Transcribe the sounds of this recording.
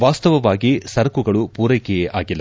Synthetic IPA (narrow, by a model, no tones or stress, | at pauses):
ʋaːst̪ɐʋɐʋaːɡisɐɾkuɡɐɭupuːɾɐkɛjeʔaːɡilːɐ